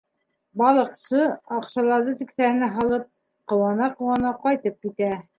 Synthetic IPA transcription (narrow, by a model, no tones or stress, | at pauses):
bɑlˠɤ̆qsɤɑqʃɑlˠɑɾðɤt̪ĭksæhɘ̆næɦɑlˠɤp̚ | qɤ̆wɑnɑqɤ̆wɑnɑqɑjt̪ɤp̚kit̪æ